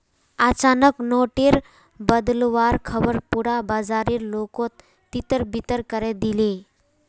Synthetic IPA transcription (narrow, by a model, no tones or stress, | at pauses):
at͡ɕanəknoʈiɾ | bəd̪lʋaɾkʰəbəɾpuɽabad͡zaɾiːɾlokot̪ː | it̪əɾbit̪əɾkəɾɛd̪ile